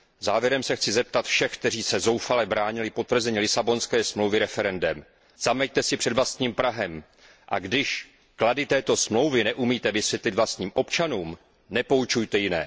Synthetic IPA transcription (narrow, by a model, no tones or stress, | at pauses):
zaːvjɛɾɛmsɛxt͡sɪzɛp̚t̪at̪fʃɛxk̚t̪ɛriːsɛzo̞wfalɛbɾaːɲɪlɪpo̞t̪vr̩zɛɲilɪsabo̞nskɛːsmlowvɪɾɛfɛɾɛndɛm | z̥amɛjt̪ɛsɪpr̥ɛdvlast̪ɲiːmpɾaɦɛm | ʔa̰ɡdɪʃ | kladɪt̪ɛːt̪o̞smlo̞wvɪnɛʔumiːt̪ɛvɪsvjɛt̪lɪd̪vlast̪ɲiːmʔo̞pt͡ʃanuːm | nɛpo̞ut͡ʃujt̪ɛjɪnɛ̰ː